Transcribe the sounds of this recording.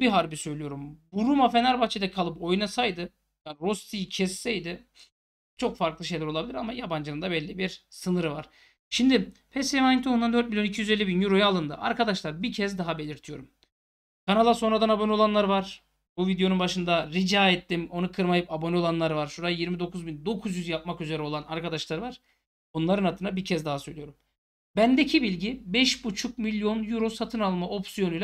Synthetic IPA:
biɦaɾbisø̞jlʲijo̞ɾumbuɾumafenæɾbaxt͡ʃʰed̪ɛkʰalˠɯpo̞jnasajd̪ɯ | jaːnɾo̞st̪ʰijcʰɛsːɛjd̪ɪ | t͡ʃʰo̞kfaɾklˠɯʃ̬e̞jlʲɛɾo̞lˠabilʲiɾamajaband͡ʒɯnɯnd̪abɛlʲːibiɾsɯnɯɾvaɾ̥ | ʃimd̪ɪpʰɛsemanint̪ʰound̪and̪øɾt̪milʲjoicʰijyzeːibinjyɾo̞jaːlˠɯnd̪ɯ̰ʔa̰ɾkad̪aʃlˠaɾbicʰɛzd̪aɦabe̞lʲiɾt̪ʰijo̞ɾum | kʰanalˠaso̞nɾad̪anabo̞nio̞lˠanlˠaɾvaɾ̥ | buvid̪ejo̞nunbaʃɯnd̪aɾid͡ʒaːet̪ːimo̞nukʰɯɾmajɯpabo̞nio̞lˠanlˠaɾvaɾʃuɾajiɾmid̪o̞kʰuzbind̪o̞kʰuzjyzjap̚makyze̞ɾɛo̞lˠanaɾkad̪aʃlˠaɾvaɾ̥ | bonlˠaɾɯnhat̪ʰːɯnabiɾcʰɛzd̪aɦasø̞jlʲijo̞ɾum | bænd̪ecʰibilʲɟibɛʃbut͡ʃʰuk̚milʲjo̞njuɾo̞sat̪ʰɯnalˠmaʔo̞psijo̞nujlʲ

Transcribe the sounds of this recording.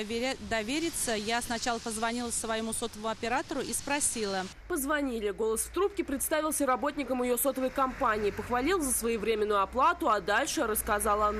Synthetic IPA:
d̪ɐvʲeɾʲɪt̪səjasnɐt͡ɕalˠəpəzvɐnʲilˠəsvɐjɪmuso̞t̪əvəmʊɐpʲɪɾat̪əɾʊʔispɾɐsʲilˠə | pəzvɐnʲilʲɪɡo̞lˠəsft̪ɾup̚kʲɪpɾʲɪt̪st̪avʲɪlˠsʲəɾɐbo̞t̪̚ʲnʲɪkəmjɪjo̞so̞t̪əvəjkɐmpanʲɪːpəxvɐlʲilˠzəsvɐjivɾʲemʲɪnːʊjʊɐplˠat̪ʊad̪alʲʂɨɾəskɐzɑlˠan

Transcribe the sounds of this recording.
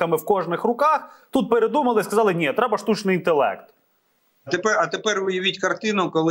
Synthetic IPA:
ɐmɪwkɔʐnɪxrʊkɑxt̪ut̪̚peɾed̪umɐlˠɪskɐzɑlˠɪnʲit̪ɾɛbɐʃt̪ut͡ʃnɪjint̪elˠɛ̰kt̪ | t̪epɛɐt̪epɛrʋɪjɐʋʲitʲkɐrt̪ɪnʊkɔlˠ

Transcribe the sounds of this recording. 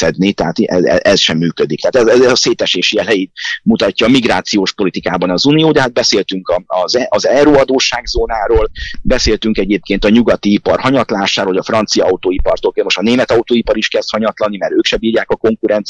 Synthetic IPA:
sɛd̪nit̪ɛɦaːt̪ɛɛ̰ɛsʃɛmːyːkød̪ik̚t̪ɛɦːt̪ɛzɛzɛɒseːt̪ɛʃeːʃiɛlɛjiːt̪mut̪ɒcːɒːmiɡɾaːt̪sijoːʃpo̞lit̪ikaːbɒnɒzunijoːd̪ɛɦad̪̚bɛseːlt̪yŋkɒɒzɒzɛɾuːɒd̪oːʃaːɡzoːnaːɾoːlbɛseːlt̪yŋkɛɟeːp̚keːnt̪ɒɲuɡɒt̪iipɒrhɒɲɒt̪laːʃaːɾoɦoɟɒfrɒnt̪sijɒɒut̪oːipɒrt̪olkeːnmoʃt̪ɒneːmɛt̪ɒut̪oːipɒɾiʃkɛst̪hɒɲɒt̪lɒnimɛɾøːkʃɛbiːrɾjaːkɒko̞ŋkuɾɛnt̪s

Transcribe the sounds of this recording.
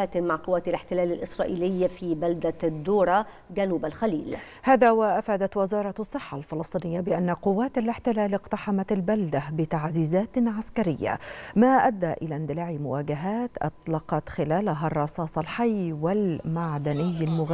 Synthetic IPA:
aːt̪maʕqʊwːaːt̪alɪħt̪ɪlaːlɪlʔɪsɾˤɑːʔiːlɪjːfiːbald̪ad̪ːuːɾˤɑ | d͡ʒanuːbalxaliːl | haːðawaʔafaːd̪at̪wɪzɑːɾˤɑɑsˤːɨħːɑlfɪlɨsˤt̪ˤiːnɪjːabɪʔanːaqʊwːaːt̪alɪħt̪ɪlaːlɪqt̪aħamat̪albald̪abɪt̪aʕziːzaːt̪ʕaskaɾɪjːa̰maːʔad̪ːaʔɪlaːnd̪ɪlaːʕimʊwaːɡaɦaːt̪ʔɑ̰t̪ˤlɑqɑt̪xɪlaːlɦarˤːɑsˤɑːsˤɑlħajːwɪlmaʕd̪anɪjːalmʊɣ

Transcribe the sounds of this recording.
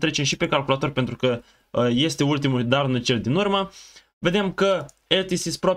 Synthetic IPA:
t̪ɾe̞t͡ʃemʃipe̞kalkulat̪o̞rʲpent̪ɾukə | je̞st̪e̞ult̪imud̪arnut͡ʃe̞ld̪inurmə | ve̞d̪e̞mkə | elt̪isispɾo

